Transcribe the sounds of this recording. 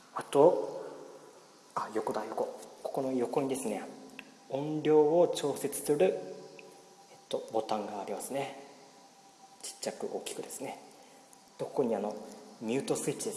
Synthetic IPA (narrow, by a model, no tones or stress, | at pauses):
at̪o̞ | ajo̞ko̞d̪ajo̞ko̞ko̞̥ko̞no̞jo̞ko̞ɲ̟id̪e̞sɨne̞ | õ̞nɾʲo̞ːot͡ɕo̞ːse̞t͡sɨ̥sɨɾɯ̟ | et̪ːo̞bo̞t̪ãŋɡaːɾʲimasɨne̞ | t͡ɕi̥t͡ɕːakɯ̟̰ʔo̞ːkʲi̥kɯ̟d̪e̞sɨ̥ne̞ | d̪̥o̞kkoɲ̟iano̞mʲɨːt̪o̞sɨit͡ɕːid̪e